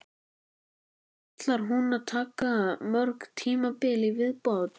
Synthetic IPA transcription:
at̪laɾ̥ɦunaðt̪ʰaːkamœɾkt̪ʰiːmapɪlɪvɪðpowt̪

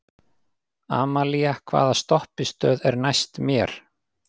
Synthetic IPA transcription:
a̰ːmaliakʰva̰ːðast̪ɔhpɪst̪œːðɛɾnajst̪mjɛɾ̥

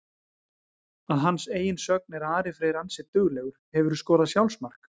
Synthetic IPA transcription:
aðɦanːseːjɪnsœk̚nɛɾaːɾɪfɾeːjɾansɪt̪ʏɣleɣʏɾ̥hɛvʏɾʏskɔːɾaðsjawlsmar̥k

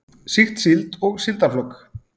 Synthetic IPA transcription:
sixt̪silt̪ɔɣsilt̪aflɔkː

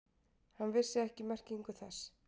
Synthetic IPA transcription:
hanvɪ̥sɪɛhcɪmɛr̥ciŋkʏθɛs

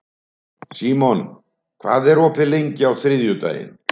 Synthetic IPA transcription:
siːmɔn | kʰvaːðɛɾɔpɪlejɲcɪawθɾɪðjʏt̪a̰ːjɪ̰n

